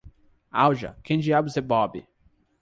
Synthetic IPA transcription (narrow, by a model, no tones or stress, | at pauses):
a̰wʒɐ̰kʰẽnd͡ʒiabʊzebɔbḭ